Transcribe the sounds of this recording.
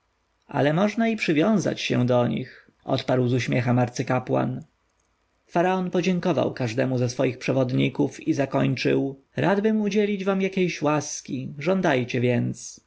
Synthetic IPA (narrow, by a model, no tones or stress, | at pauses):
a̰lɛmɔʐnaipʂɘvʲjɔ̃w̃za̰t͡ɕɕɛ̰̃d̪ɔɲḭx | ʔɔ̰t̪paɾwzuɕmʲjɛxɛmaɾt̪sɘkapwa̰n | faɾaɔnpɔd͡ʑɛŋkɔva̰wkaʐd̪ɛmuzasfɔjixpʂɛvɔd̪ɲikufizakɔɲt͡ʂɘ̰w | ɾʔad̪bɘmud͡ʑɛlʲid͡ʑvamjakʲejɕwaskʲiʐɔnd̪ajt͡ɕɛvʲjɛnt̪s